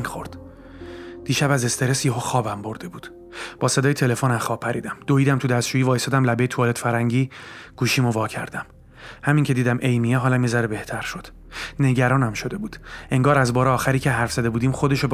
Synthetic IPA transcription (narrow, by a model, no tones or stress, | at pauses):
xoɾd̪̥ | d̪̥iːʃæbæze̞st̪e̞ɾesjeɦoːxɒːbæmbo̞ɾd̪e̞buːd̪̥ | b̥ɒːse̞d̪ɒːjet̪ʰe̞le̞fonæmxɒːbpʰːæɾḭːd̪æmd̪̥oiːd̪æmt̪ʰud̪æst̪ʃuːjivɒːjest̪ɔːd̪æmlæbe̞jet̪ʰuːlet̪fæɾæŋɟiːɡ̥uːʃiːmo̞vɒːcʰæ̰ɾd̪æm | hæmiŋcʲʰe̞d̪iːd̪æmʔe̞jmijeɦɒːlæmːezæɾebe̞ht̪ʰæɾʃo̞d̪̥ | ne̞ɟæɾɒːnæmʃo̞d̪e̞buːd̪̥e̞ŋɡɒːɾæzbɒːɾeɒːxæɾiːcʰeɦæɾfz̥æd̪e̞buːd̪iːmχo̞d̪e̞ʃo